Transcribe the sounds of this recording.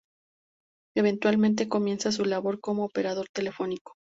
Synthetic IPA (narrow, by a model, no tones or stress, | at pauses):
eβ̞e̞nt̪walmẽnt̪̬e̞ko̞mje̞nsas̬ulaβo̞ɾko̞moːpe̞ɾaðo̞ɾt̪e̞le̞fo̞niko̥